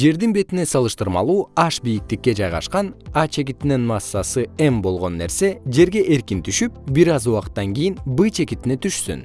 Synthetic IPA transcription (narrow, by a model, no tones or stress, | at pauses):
d͡ʒe̞ɾd̪inbe̞t̪ine̞sɑlˠɯʃt̪ɯɾmɑ̰lˠuːɑʃbijik̚t̪ikːe̞d͡ʒɑjʁɑ̰ʃqɑnɑt͡ʃʰe̞k̬it̪inenmɑsːɑsɯembo̞lˠʁo̞nːe̞̰ɾse̞d͡ʒe̞ɾɡe̞ʔe̞ɾkint̪ʰyʃyp̚biɾɑzuwɑqɯ̥t̪ːɑŋɡʲijinbɨt͡ʃʰe̞kit̪ine̞t̪ʰyʃsy̰n